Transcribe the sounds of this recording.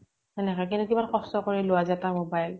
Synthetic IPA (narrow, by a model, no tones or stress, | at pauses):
ɛnɛkakinukibankɔstɔkoɹɛlowazatamobajl